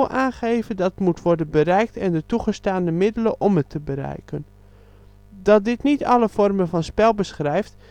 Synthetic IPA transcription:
ʔaːnχejvədɑtmutʋɔɹdənbərɛjk̚tɛndətuχəstaːndəmɪdələʔɔmətʰəbəɾɛ̰jkən | dɑt̚dɪtnitɑ̰ləv̥ɔrməvɑnspɛlˠbəsχrɛjft

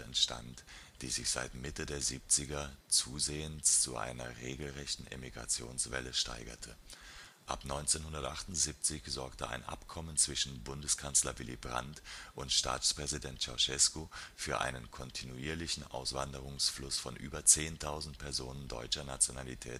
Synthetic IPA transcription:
ɛntʃta̰ntd̥ḭːzɪçz̥a̰ɪtmɪtədeːɐziːp̚t͡sɪɡɐt͡suːzeːənst͡suʔa̰ɪnɐʁeːɡl̩ʁɛçtn̩ʔḛmiɡʁa̰t͡sjo̰ːnsv̥ɛ̰ləʃta̰ɪɡɐ̰tʰə | ʔa̰pnɔʏnt͡seːnhʊndɐtʔaχtʊntz̥iːp̚t͡sɪçz̥ɔɐktəʔa̰ɪnʔa̰pkʰɔmənt͡sv̥ɪʃn̩bʊndəskʰanslɐvɪlḭbʁa̰ntʔʊntʃta̰ːt͡spʁ̥ɛzidɛntt͡ʃɔ̰ʃɛskofyːɐʔa̰ɪnənkʰɔntʰinuiːɐlɪçn̩ʔa̰ʊsv̥andəʁʊŋsflʊsfɔnʔy̰ːbɐt͡seːntʰaʊzn̩tpʰɛɐzoːnəndɔ̰ʏt͡ʃɐnat͡sjonalitʰɛ̰ːt

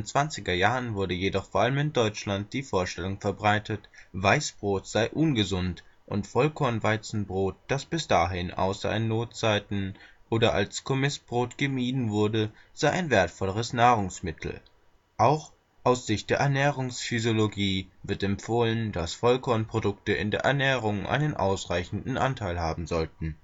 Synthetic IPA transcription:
dnt͡sv̥ant͡sɪɡɐjaːʁənvʊɐdəjedɔχfoɐʔaləmɪndɔʏt͡ʃlant̚d̥iːfoːɐʃtɛlʊŋfɛɐbʁaɪtʰətvaɪsb̥ʁoːtz̥aɪʔʊnɡəzʊntʔʊ̰ntfɔlkʰɔɐnvaɪt͡sn̩bʁoːt̚d̥asb̥ɪsd̥aːɦɪnʔa̰ʊsɐ̰ʔɪnːoːtt͡saɪtn̩ʔoːdɐʔa̰lskʰomɪsb̥ʁoːtɡ̥əmiːdn̩vʊɐdəz̥aɪʔaɪnveːɐtfɔləʁ̞əsnaːʁ̞ʊŋsmɪtʰl̩ | ʔaʊx | ʔaʊsz̥ɪçtd̥eːɐɛɐnɛːʁʊŋsfyzjoloɡiːvɪɐtɛmpfoːlənd̥asfɔlkʰɔɐnpʁ̥odʊktəɪ̰ndeːɐʔɛɐnɛːʁ̞ʊŋʔa̰ɪnənʔa̰ʊsʁaɪçn̩dn̩ʔa̰ntʰaɪlɦaːbm̩zɔltn̩

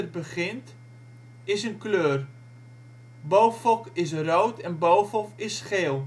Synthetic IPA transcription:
ərbəχɪnt | ɪsənkløːr | bowfɔkɪs̬rowtɛnbowfɔfɪsχeːlˠ

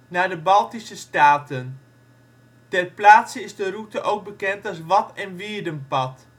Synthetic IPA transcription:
naːdəbɑlˠtisəstaːtən | tɛrplaːtsəɪzdərutəʔowɡ̚bəkɛntɑlˠsʋɑtɛnʋɪːɹdənpɑt

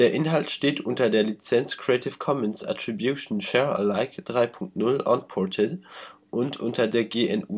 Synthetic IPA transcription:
d̥eːɐʔɪnɦaltʃteːtʰʔʊntɐdeːɐlit͡sɛnt͡skʁ̥ietʰɪfkʰɔmɛnsa̰tʁ̥ibjuːʃn̩ʃɛːɐə̰laɪkd̥ʁaɪpʰʊŋk̚tnʊlɔ̰npʰɔtʰɪd | ʔʊntʰʔʊntʰɐdeːɐɡeːɛnuː

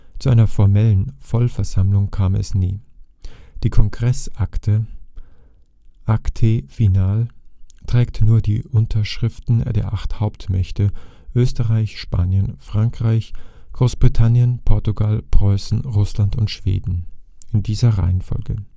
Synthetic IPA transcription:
t͡suʔaɪnɐfɔɐmɛlənfɔlfɛɐzamlʊŋkʰaːmɛ̰snḭː | d̥iːkʰɔŋɡʁɛsʔaktʰə | ʔaktʰeːfinaːltʁ̥ɛːktnuːɐdḭːʔʊntʰɐʃʁ̥ɪftn̩dḛːɐʔaχthaʊptmɛçtʰə | ʔøːstəʁaɪçʃpaːnjənfʁ̥aŋkʁ̥aɪçɡ̥ʁoːsb̥ʁitʰanjənpʰɔɐtuɡalpʁ̥ɔʏsn̩ʁʊslantʊntʃv̥ḛːdn̩ʔɪndiːzɐʁa̰ɪənfɔ̰lɡə̰

